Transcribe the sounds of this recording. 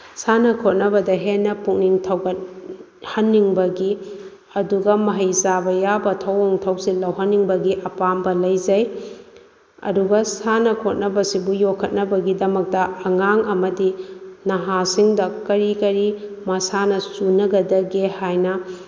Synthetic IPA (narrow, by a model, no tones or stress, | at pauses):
sanɐkʰot̚nɐbɐdɐɦenːɐpuk̚niŋtʰɐwkɐt̚ | hɐnːiŋbɐɡi | ɐduɡɐmɐɦɐjsabɐjabɐtʰɐwoŋtʰɐwsilɐwɦɐnːiŋbɐɡiʔɐpambɐlɐjd͡ʒɐj | ɐ̰duɡɐsanɐkʰot̚nɐbɐsibujokʰːɐt̚nɐbɐɡidɐmɐk̚tɐɐŋaŋɐmɐdinɐɦasiŋdɐkɐɾikɐɾimɐsanɐsunɐɡɐdɐɡehajnɐ